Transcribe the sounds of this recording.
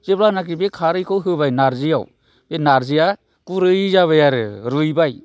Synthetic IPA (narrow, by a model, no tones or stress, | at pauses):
zeblanak̬ibekʰaɾɯjkʰɯwɦɯbajnaɾzija̰w | benaɾzija | kuɾɯjzaβɯjaɾɯɾɯjbaj